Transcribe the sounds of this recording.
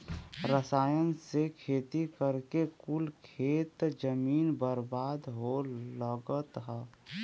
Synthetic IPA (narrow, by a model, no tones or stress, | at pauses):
ɾəsaːjənsekʰeːt̪ikəɾkekulkʰeːt̪d͡ʒəmiːnbəɾbaːd̪ɦoləɡət̪ɦɛ